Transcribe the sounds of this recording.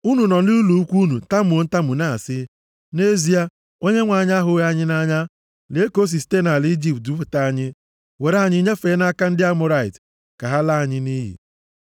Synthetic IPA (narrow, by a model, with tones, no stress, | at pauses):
u˦nu˨nɔ˨n̩˦lɪ˦u˦lu˨u˦kʷu˦nu˨˦ta˦m˨o˨˦n̩˦ta˦mu˨na˦˨a̰˨sɪ˦ | ne˦zi˦a˦ | o˦ɲe˦ŋʷa˨ɲa˦ɦʊ˨˦a˦ɲɪ˦na˦ɲa˦ | le˨˦ko˦s̬i˨si̥˨˦te˦na˨li˦d͡ʒi˨p̚t̚du˦f̬ʊ˨ta˦a˦ɲɪ˦ | we˨ɾe˨˦a˨ɲɪ˦ɲe˦feː˨˦na˦ka˦n̩˦dɪ˦a˦mʊ˨ɾa˨ɪ̰˨t | ka˨ɦa˦la˦a˨ɲɪ˦ni˦ɦḭ˨